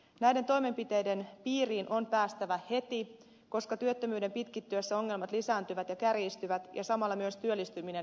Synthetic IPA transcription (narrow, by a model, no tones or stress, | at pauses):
næjdent̪o̞jme̞mpit̪e̞jde̞npiːriːnʔo̞mpæːst̪æʋæhe̞t̪i | ko̞skɑt̪yøt̪ːømyːde̞mpit̪kit̪ːyøsːæo̞ŋːe̞lmɑt̪lisæːnt̪yʋæt̪jɑkærjist̪yʋæt̪jʔɑ̰sɑmɑlːɑmyøst̪yølːist̪ymine̞n